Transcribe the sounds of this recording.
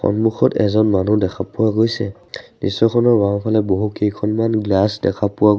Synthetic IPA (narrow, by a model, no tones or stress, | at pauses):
xɔ̰nmuxʰɔtɛ̰zɔnmanudɛkʰapuwaɡojsɛ̰ | nisːɔkʰɔnɔɹbaŋpʰalɛboɦukejkʰɔnmanɡlasdɛ̰kʰapuwa